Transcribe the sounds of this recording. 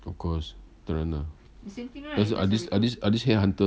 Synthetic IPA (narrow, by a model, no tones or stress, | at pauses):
ɔfkʰɔst̪əɹãna | das̬a̰disadisadishɛɦãntə